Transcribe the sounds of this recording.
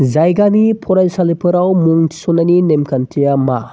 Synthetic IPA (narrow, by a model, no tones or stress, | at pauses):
zajɡamipʰɔɾajsalipʰɯɾawmuŋsonaninemkʰɐntʰijama